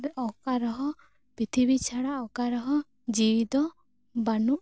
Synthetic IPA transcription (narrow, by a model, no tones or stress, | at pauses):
beʔɔkaɾɔɦɔ | pɾit̪ʰibit͡ʃʰaɽaɔkaɾɔɦɔ | d͡ʒiwid̪ɔ | banuʔ